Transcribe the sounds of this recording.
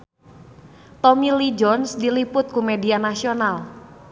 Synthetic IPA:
t̪omilid͡ʒɔnsdilipʊt̪̚kumedianasional

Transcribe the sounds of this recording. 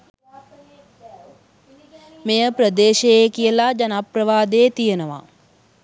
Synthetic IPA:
mejəprəd̪eːʃejekijəlad͡ʒanaprəʋaːd̪eːt̪ijənəʋa̰

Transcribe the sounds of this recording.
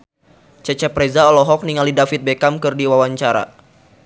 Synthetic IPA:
t͡ʃɛt͡ʃɛpɾɛzaɔlɔɦɔk̚niŋalidafit̪̚bekamkɨrdiwawaɲt͡ʃaɾa̰

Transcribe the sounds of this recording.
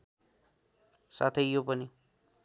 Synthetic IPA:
sa̰t̪ʰʌjjopʌni

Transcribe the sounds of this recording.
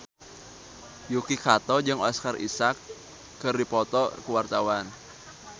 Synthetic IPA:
jukikat̪ɔd͡ʒɨŋaskarʔḭsakː | ɨrdipɔt̪ɔkəwart̪awan

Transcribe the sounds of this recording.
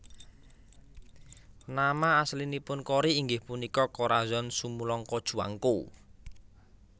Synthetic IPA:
namaːslinipʊnkɔɾiːŋɡɪhpunikɔkɔɾazɔnsumulɔŋkɔd̥ʒ̥ṳa̰ŋku

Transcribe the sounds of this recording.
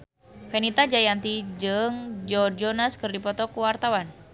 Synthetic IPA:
fɛnit̪ad͡ʒajant̪id͡ʒɨŋd͡ʒɔrd͡ʒɔnaskɨrdipɔt̪ɔkuwart̪awan

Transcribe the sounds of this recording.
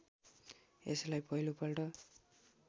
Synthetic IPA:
ḛslajpʌɦilopʌlʈʌ

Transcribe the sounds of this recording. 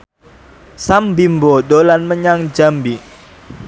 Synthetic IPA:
sambimbodolanməɲaŋd͡ʒambi

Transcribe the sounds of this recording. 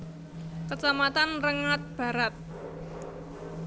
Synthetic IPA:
kət͡ʃamat̪anrəŋat̪̚b̥ä̤ɾat̪̚

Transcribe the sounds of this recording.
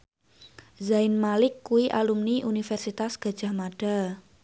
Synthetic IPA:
zaɪnmalɪkːuwiʔalumniʔunifɛrsit̪asɡ̥ä̤d̥ʒ̥a̤hmaɖ̥a

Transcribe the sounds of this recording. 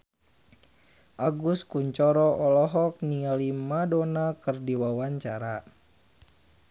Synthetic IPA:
ʔaɡuskuɲt͡ʃɔɾɔʔɔlɔɦɔk̚niŋalimadɔnakɨrdiwawaɲt͡ʃaɾa

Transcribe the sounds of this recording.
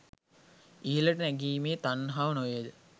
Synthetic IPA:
iələʈənæɡiːmeːt̪anɦaʋənojed̪ə

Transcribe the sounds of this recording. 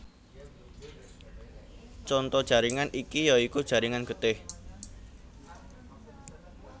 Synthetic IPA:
t͡ʃɔnt̪ɔd̥ʒ̥a̤ɾiŋanikijɔikud̥ʒ̥ä̤ɾiŋanɡ̥ə̤t̪ɪh

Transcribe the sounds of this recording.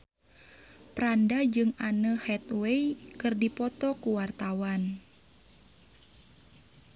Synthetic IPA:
pɾandad͡ʒɨŋanəhɛt̪weikɨrdipɔt̪ɔkuwart̪awan

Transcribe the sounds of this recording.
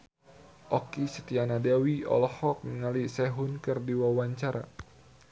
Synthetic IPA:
ʔɔkisət̪ianadawiɔ̰lɔhɔk̚məŋalisɛɦunkɨrdiwawaɲt͡ʃaɾa̰

